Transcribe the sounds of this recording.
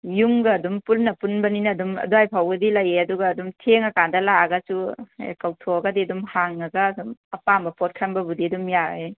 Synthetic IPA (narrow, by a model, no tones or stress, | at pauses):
juŋɡɐːdumpunːɐpunbɐninɐdumɐ̰duajpʰawɡɐdilɐjeɐduɡɐːdumtʰeŋɐkandɐlaɡɐsuḛkawtʰoɡɐdiɐdumhaŋɐɡaːdumɐpambɐpɔt̚kʰɐmbɐbudiɐdumjae